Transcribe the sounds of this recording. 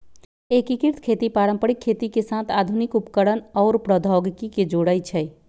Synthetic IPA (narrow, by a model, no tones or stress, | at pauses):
ekikiɾt̪ʰkʰet̪ipaɾəmpəɾikʰːet̪ikesat̪ʰad̪ʱunikupkəɾənɔːɾpɾəd̪ʱɔɡkiked͡ʒoɽəjt͡ʃʰɛ